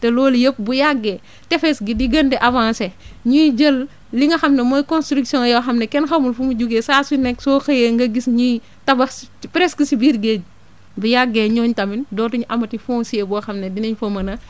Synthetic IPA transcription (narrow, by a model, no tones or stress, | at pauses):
tɛlɔːljəp̚bujaɡːɛ | tɛfɛsɡidiɡɐndɛʔavãːnsɛɲuɟəl | liŋɐxɐmnɐmɔjkɔ̃nstɾiksijɔ̃ŋjɐwxɐmnɐkɛnxɐmulfumud͡ʒuɡesaːsunɛksɔːxɐjeŋɡɐɡisɲu | tɐbɐspɾɛskisibiɾɡeɟ̚ | bujaɡːɛɲɔːɲtɐmindɔːtuɲuʔɐmɐtifɔŋsiebɔxɐmnedinɐɲfɔmɐnɐ